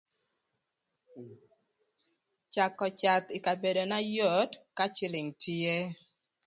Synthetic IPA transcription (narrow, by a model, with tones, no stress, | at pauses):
t͡ʃa˨kɔ˨t͡ʃa˨t̪ɪ˨ka˨be˨do˨na˦jo˦˨dka˦t͡ʃɪ˦lɪ˨ŋtɪ˦e˦